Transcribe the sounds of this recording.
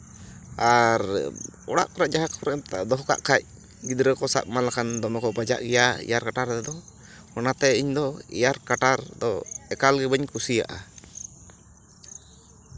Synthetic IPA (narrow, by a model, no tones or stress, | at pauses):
aɾɔɽa̰ʔkɔɾaʔd͡ʒaɦakʰɔɾɛmt̪a̰ʔd̪ɔɦka̰ʔkʰac̚ | ɡid̪ɾəkɔsa̰ʔ̚malakand̪ɔmɛkɔbad͡ʒa̰ʔɡɛjaḭjaɾkaʈaɾd̪ɛd̪ɔ | mɔnat̪ɛiɲd̪ɔḭjaɾkaʈaɾd̪ɔ̰ɛkalɡɛbəɲkusija̰ʔa̰